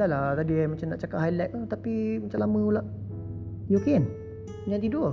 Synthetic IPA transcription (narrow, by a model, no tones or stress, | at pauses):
t̪alat̪adimat͡ʃamnaʔt͡ʃakaʔ̚hajlɛt̪̚at̪apimat͡ʃamlamə̃ulaʔ | joken | ɲãt̪ido